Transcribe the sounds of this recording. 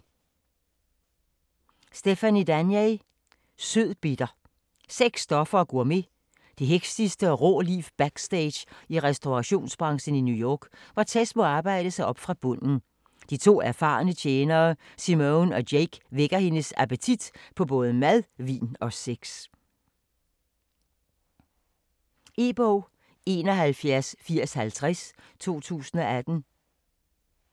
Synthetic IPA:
sd̥efænid̥ænje | søð̰ˠb̥id̥ɐ | seɡ̥sːd̥ɒ̽fɐːɡ̥o̝ɐ̰me̝ | d̥iɦeɡ̥sd̥isd̥əɒ̽ʁɔ̰ːlifb̥æɡ̥sd̥eɪ̥iʁɛsd̥oʁɑɕo̝̰ːnsb̥ʁɑ̈ŋsn̩injujɒ̰ːɡ̥ʋɑ̈t͡sʰesmɔɑ̈ːb̥ɑ̈ɪ̰ɾ̥əsɑ̈ɪʔɒ̽b̥fʁɑ̈b̥ɔ̽n̰n̩ | d̥it͡sʰo̝̰ːæɐfɑ̈ːnət͡ɕʰeːnɐː | simonɒ̽deɡ̥ʋeɡ̥ɐhe̝nəsæpət͡sʰid̥pʰɒ̽bɔ̽ːð̞ˠəmæðˠʋḭːnɒ̽seɡ̥s | e̝b̥o | e̝ːnɒ̽ɦælfjæɐsfiɐ̰shælt͡sʰʁas | t͡sʰo̝̰ːt͡sʰṵːsn̩ɒ̽æd̥n̩

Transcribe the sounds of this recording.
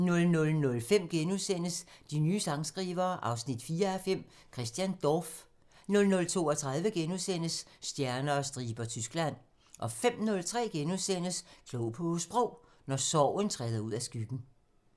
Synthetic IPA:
nɔ̽lnɔ̽lnɔ̽lfem̰ɡ̥enuðˠsen̰əsd̥inyːsɑ̈ŋsɡ̥ʁiːʋɐːʔɑ̈ʊsnid̥fiːɐæfem̰ | kʰʁɛsd̥jænd̥ɒf | nɔ̽lnɔ̽lt͡sʰo̝̰ːɒt͡sʰʁɑ̈ð̞ˠʋəɡ̥enuðˠsen̰əsːd̥jæɐnɐːsd̥ʁiːb̥ɐt͡sʰysɡ̥læn̰ | ʔɒ̽fem̰nɔ̽lt͡sʰʁɛ̰ːɡ̥enuðˠsen̰əskʰlɔʊpʰɔsb̥ʁɔʊ̰ | nɒsɒʊ̰ənt͡sʰʁɛːðˠɐuð̞̰ˠæsɡ̥yɡ̥n̩

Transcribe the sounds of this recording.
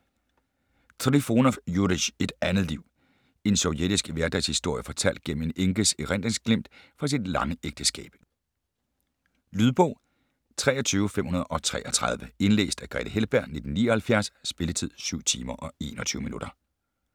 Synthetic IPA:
t͡sʰʁifo̝nɒjudiɕe̝d̥ænð̩ˠliʊ̰ | e̝nsɒ̽ʊjed̥isɡ̥ʋæɐd̥ɛshisd̥o̝ɐ̰jəfɒ̽t͡sʰæl̰d̥̚ɡ̥enm̩e̝neŋɡ̥əseʁænd̥ʁeŋsɡ̥lem̰d̥fɒ̽s̬id̥lɑ̈ŋəeɡ̥̚d̥əsɡ̥ɛ̰ːb̥ | lyðˠb̥ɔ̽ʊ̰ | t͡sʰʁɛ̰ːɒ̽t͡sʰyːʊəfem̰hunɐð̞ˠʔɒ̽t͡sʰʁɛ̰ːɒt͡sʰʁɑð̞ˠʋəe̝nlḛːsd̥æɡ̥ʁɛ̰ːd̥əhelb̥æɐ̰ne̝d̥n̩ːiːɒhælfjæɐssb̥e̝lət͡sʰið̞̰ˠsyʊ̰t͡sʰḭːmɐʔɒ̽e̝̰ːnɒ̽t͡sʰyːʊəminuɾ̥ɐ

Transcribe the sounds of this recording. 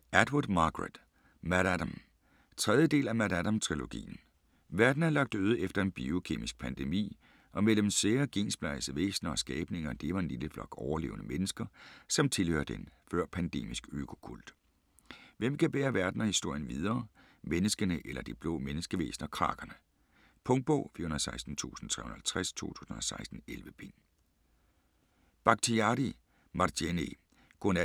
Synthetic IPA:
æd̥wɐd̥mɑ̈ːɡ̥ʁed̥ | mæɾ̥æd̥am | t͡sʰʁɛð̞ˠjəd̥e̝̰ːlæmæd̥æd̥ɑmt͡sʰʁilo̝ɡ̥ḭːn̩ | ʋæɐd̥n̩æɐlɑ̈ɡ̥̚d̥uːð̞ˠefd̥ɐe̝nb̥io̝kʰe̝̰ːmisɡ̥̚pʰænd̥emḭː | ʔɒ̽mel̰əmseɐɡ̥e̝̰ːnsb̥lɑɪsəʋḛːsnɐɒ̽sɡ̥ɛːb̥ne̝ŋɐd̥e̝ʋɑ̈e̝nliləflɒ̽ɡ̥ɒʊɐle̝̰ːʊnəmenəsɡ̥ɐsɒ̽mt͡sʰe̝lhø̰ːɐd̥enfɶɐ̰pʰænd̥e̝̰ːmisɡ̥økʰo̝̥kʰuld̥ | ʋem̰kʰæb̥ḛːɐʋæɐd̥n̩ɒhisd̥o̝ɐ̰jənʋið̞ˠɐː | menəsɡ̥ənəʔelɐd̥ib̥lɔ̰ːmenəsɡ̥əʋḛːsnɐkʰʁɑ̰̈ːɡ̥ɐnə | pʰɔ̽ŋd̥̚b̥ɔ̰ʊːfiɐhunɐðˠsɑ̈ɪsd̥n̩t͡sʰṵːsn̩t͡sʰʁɛ̰hun̩hælt͡sʰʁæst͡sʰo̝̰ːt͡sʰu̥̰ːsn̩ɒsɑ̈ɪsd̥n̩elʋəb̥ḛn | b̥ɑ̈ɡ̥̚t͡sʰiɑɾi | mɑ̈dene | ɡ̥ʁɔnæ

